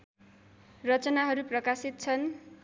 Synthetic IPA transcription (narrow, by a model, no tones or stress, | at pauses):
rʌt͡sʌnaɦʌɾuprʌkasit̪̚t͡sʰʌn